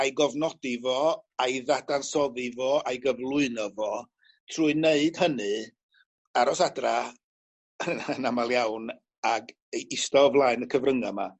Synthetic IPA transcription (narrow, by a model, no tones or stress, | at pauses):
ajɡɔvnɔdɪvɔajðadansɔðivɔajɡəvlˠʊɨnɔvɔ | tʰruːɨneɨd̥hənɨ | aɾɔsadra | ənənamalˠjawn | aɡ | ɪstɔvlˠaɨnəkʰəvrəŋama